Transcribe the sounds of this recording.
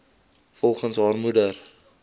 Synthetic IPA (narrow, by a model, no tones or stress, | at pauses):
fɔlˠχənsɦɑːrmudər